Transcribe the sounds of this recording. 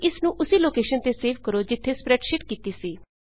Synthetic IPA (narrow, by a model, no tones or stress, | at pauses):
ɪsnũːʔʊsiːloːkeːʃənt̪eseːʋkəɾoːd͡ʒɪt̪ʰːespɾɛːʈʃɪʈkiːt̪isiː